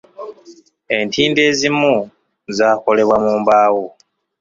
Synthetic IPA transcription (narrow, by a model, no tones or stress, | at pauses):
e̞ntʰiːnde̞ːzimu | zaːko̞le̞βwamuːmbaːwo